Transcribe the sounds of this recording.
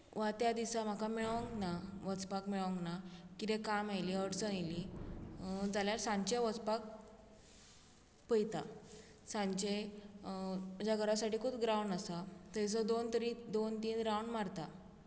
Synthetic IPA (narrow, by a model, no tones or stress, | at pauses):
ʋat̪jad̪isam̤akameɭə̃ŋɡnaʋət͡spakmeɭə̃ŋɡnakit̪ẽkamajliəɽt͡səjli | d͡zaljaɾsãɲt͡ɕeʋət͡spak̚ | pəjt̪a̰ | sãɲt͡ɕe | d͡ʑjaɡʱəɾasaʈiːkʰupɡɾawɳɖasat̪jt͡səd̪ont̪əɾid̪ont̪iːnɾawɳɖmaɾt̪a